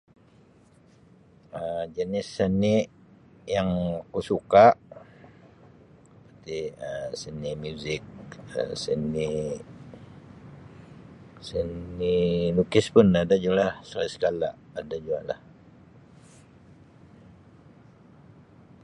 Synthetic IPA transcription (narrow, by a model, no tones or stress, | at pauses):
əd͡ʒənɪsːənɪʔ | jaŋakusukaʔ | pət̪iəsənɪʔmjuzɪk̚ə̰səni | sənilukɪspʊnadad͡ʒualahsalisə̥kala̰ʔadad͡ʒuaʔla̰h